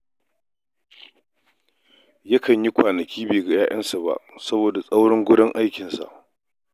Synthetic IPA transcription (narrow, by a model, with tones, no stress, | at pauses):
jɐ˦kɐ˨ɲji˦kʷaː˨nɐ˨kʲʰiː˦beː˨ɡa˨jaː˦jɐ˦nsa˨ba̰˨ʔsɐ˦boː˨da˨sʼa˦wɽɪ˦ŋɡʷʊ˦ɽɪ˦ŋʔa˦jkʲɪ˨nsa̰˨ʔ